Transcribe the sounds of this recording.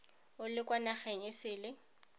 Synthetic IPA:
ʊlɪkwanaχɛɲɪsɪːlɪ

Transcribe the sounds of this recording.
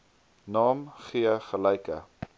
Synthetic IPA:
nɑːmχiəχəlɛjkə̰

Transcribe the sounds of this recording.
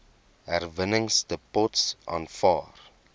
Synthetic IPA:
ɦærvənəŋstəpɔtsʔɑ̰ːnfɑːr

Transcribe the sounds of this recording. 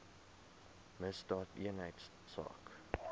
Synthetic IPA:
məsdɑːtḭənɦəjtsːɑ̰ːk

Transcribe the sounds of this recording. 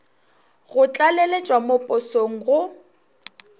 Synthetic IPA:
ɣʊt͡ɬʼalelet͡ʃʼwamopʼʊsoŋ̩ɣʊ

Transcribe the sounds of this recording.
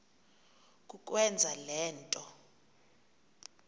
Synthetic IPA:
k̬ʼuk̬ʼwɛnd͡zʱalɛːntʼɔ

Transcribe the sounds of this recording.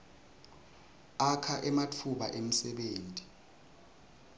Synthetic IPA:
akʰaʔɛmatʰuɓa̰ʔem̩sɛɓeːntʼi̥

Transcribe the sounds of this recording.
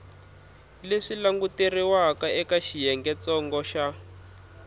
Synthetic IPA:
leʂilaŋɡuteriwakaʔɛkaʃijɛŋɡɛt͡sɔŋɡɔʃa

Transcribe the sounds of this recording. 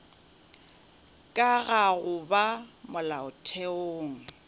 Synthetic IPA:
kʼaɣaɣʊbamʊlaʊtʰɛoːŋ̩

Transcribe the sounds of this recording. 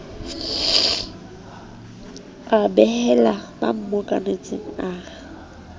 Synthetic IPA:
abɛhɛlaba̰m̩mokʼa̰net͡sʼeŋ̩aː

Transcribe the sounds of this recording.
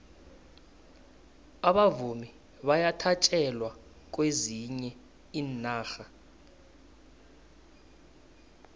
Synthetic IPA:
aɓavumi | ɓajatʰat͡ʃʼɛlwa | k̬ʼweziɲɛ | iːnaːxa

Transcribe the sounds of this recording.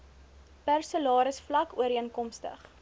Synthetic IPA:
pærsəlɑːɾəsflɐkuəɾiənkɔmstə̰χ

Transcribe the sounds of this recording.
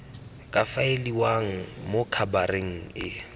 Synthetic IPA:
kʼafaeliwaŋ̩mokʰabareŋ̩ɪ

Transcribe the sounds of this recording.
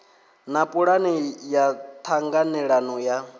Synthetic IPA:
napʼuɺanijat̪ʰaŋɡanɛɺanɔja

